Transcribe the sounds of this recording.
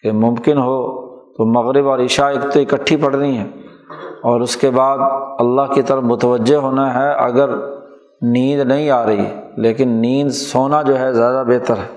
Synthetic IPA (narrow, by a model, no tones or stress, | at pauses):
kemʊ̃mkɪnɦot̪omɐɣɾɪbɔːɾɪʃaekt̪oɪkəʈʰːipɐɽ̤ɾiɦɛː | ɔːɾʊskebaːd̪ɐlːaɦkit̪əɾəfmʊt̪əʋəd͡ʒːeɦoːnaɦɛɐ̰ɡəɾ | niːd̪nɐɦĩaːɾɐɦḭɦɛleːkɪnːiːd̪soːnad͡ʒoːɦɛzjaːd̪abeːt̪əɾɦɛː